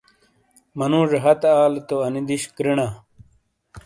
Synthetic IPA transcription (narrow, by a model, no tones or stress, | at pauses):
mɐnũːʐeɦɐt̪aːlt̪oɐnid̪iɕkɾiɳaː